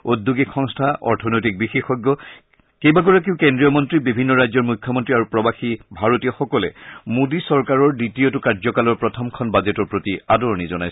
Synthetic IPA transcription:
od̪ʱːuɡikxɔŋstʰaʔɔ̰ɹtʰɔnɔjtik̚bixexɔɡːɔ | kejbaɡɔɹak̬iʊ̃kendɹijɔmɔntɹibibʱinːɔɹajzɔɹmujkʰːjɔmɔntɹiaɹupɹɔbaxibʱaɹotijɔxɔkɔlɛ̰modisɔɹkaɹɔɹditiotʊkaɹzɔkalɔɹpɹɔtʰɔmkʰɔnbazɛtɔɹpɹotiadɔɹnizɔna̰js

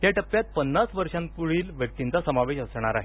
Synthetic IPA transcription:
ɦjaʈəpːjat̪̚pənːasʋəɾʂãmkuɭiːlʋjək̚t̪int͡sasəmaʋeɕəsɳ̃aɾaɦe

